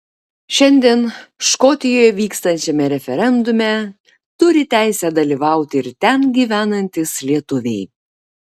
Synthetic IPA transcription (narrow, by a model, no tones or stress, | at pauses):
ʃʲɛnʲd̪ʲiɛnʃkɔt̪ʲɪjoːjɛʋʲiːkst̪ɐnʲt͡ʃʲɛmʲɛɾʲɛfʲɛɾʲɛnd̪ʊmʲɛ | t̪ʊɾʲɪt̪ʲæˑɪsʲæd̪ɐlʲiʋɑˑʊt̪ʲɪɾt̪ʲɛnɡʲiːʋʲæːnɐnʲt̪ʲɪslʲiɛt̪ʊʋʲɛɪ